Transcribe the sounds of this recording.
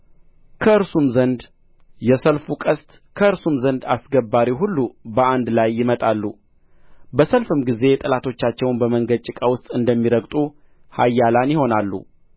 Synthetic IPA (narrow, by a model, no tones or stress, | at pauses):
kʰəɨɾsumzənd̪ | jɛsəlfukʼəst̪ | kʰəɨɾsumzənd̪asɡəbːaɾiɦulːubəand̪lajːɪmət̪ʼalːu | bəsəlfɨmɡize̞t̪ʼəlat̪ʰo̞t͡ʃːat͡ʃːɛwnbəməŋɡəd̪̚t͡ʃʼɪkʼawʊst̪ʼɨnd̪əmːiɾəɡt̪ʼu | ha̰jːalanjɪho̞nalːṵ